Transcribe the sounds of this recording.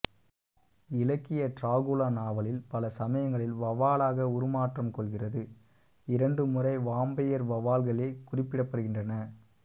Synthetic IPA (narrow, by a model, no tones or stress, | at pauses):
ɪlɐkːɪjɐʈɾaːɣʊlaːnaːʋɐɭɪlpɐlɐsɐmɐjɐŋɡɐɭɪlʋɐʋaːlaːɣɐʊɾɯmaːʈrɐmkɔɭɣɪrɐðɯ | ɪɾɐɳɖɯmʊrɐɪʋaːmbɐjɐɾʋɐʋaːlɣɐɭeːkʊrɪpːɪɽɐpːɐɾɯɣɪndrɐnɐ